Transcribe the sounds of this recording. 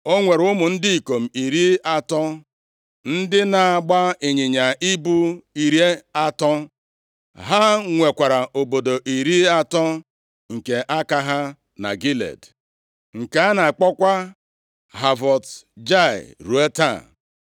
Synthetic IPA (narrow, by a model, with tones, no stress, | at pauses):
o˦ŋʷe˨ɾʊ˦mʊ˨n̩˦dɪ˦i˨ko˨m̩˨i˨ɾi˦a˦tɔ˦ | n̩˦dɪ˦na˨a˨ɡ͡ba˦i˨ɲɪ˨ɲa˨ʔi˦bu˦i˨ɾje˦a˦tɔ˦ | ɦa˦ŋʷe˨kʷa˨ɾa˨ʔo˨bo˨do˨ʔi˨ɾi˦a˦tɔ˦ | ŋ̩˨ke˨ʔa˦ka˦ɦa˦ | na̰˨ɡi˦lḛ˨d | ŋ̩˨ka˨˦a˦na˨k͡pɔ˦kʷa˦ | ɦa˨vɔ˨td͡ʒa̰˦˨ɾu˨e˦ta̰˦˨